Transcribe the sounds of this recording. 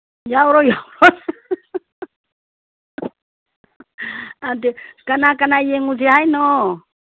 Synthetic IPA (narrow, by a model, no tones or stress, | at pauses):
jawɾɔjawɾɔn | antɛkanakanajeŋud͡ʒiɦajnɔ